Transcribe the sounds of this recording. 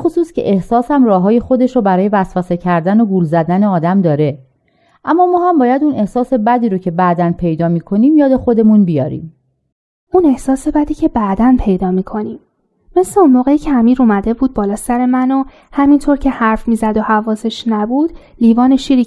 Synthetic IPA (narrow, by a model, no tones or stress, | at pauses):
bexosuːscʰḛʔehsɒːshæmrɒːɦɒːje̞xo̞d̪e̞ʃɾobæɾɒːje̞væsvæse̞cʰæɾd̪ænoɡuːlzæd̪æneɒːd̪æmd̪ɒːɾe̞ | ʔæmːɒːmɒːhæmbɒːjæd̪une̞hsɒːse̞bæd̪iːɾocʰe̞bæʔd̪ænpʰe̞jd̪ɒːmiːkʰo̞niːmjɒːd̪e̞xo̞d̪e̞munbijɒːɾḭːm | une̞hsɒːse̞bæd̪iːcʰe̞bæʔd̪ænpʰe̞jd̪ɒːmiːkʰo̞niːmː | esleunmoːɣe̞iːcʰeæmiːɾumæd̪e̞buːd̪̚bɒːlɒːsæɾemæno | hæmint̪ʰoːɾcʰe̞hæɾfmiːzæd̪ohævɒːse̞ʃnæbuːd̪̥ | liːvɒːne̞ʃiːɾi